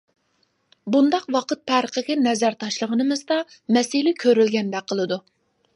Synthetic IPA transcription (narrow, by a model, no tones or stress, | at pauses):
bund̪ɑqwɑqɨt̪̚pʰæɾəqəkʲɛnɛzæɾt̪ʰɑʃlˠəʁənɨmɨzd̪ɑ | mɛsɪlɪkʲʰøɾylɡʲɛnd̪ɛqʰəlˠɨd̪u